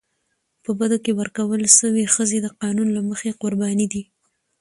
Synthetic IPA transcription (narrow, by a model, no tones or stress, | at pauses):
pəbad̪okewəɾkawəlʃəwexəzed̪əqɑnunlaməxeqʊɾbɑnid̪i